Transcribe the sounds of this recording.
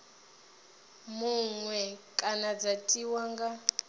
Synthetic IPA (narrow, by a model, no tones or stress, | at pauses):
muŋwɛkʼanad͡zatʼiwaŋɡa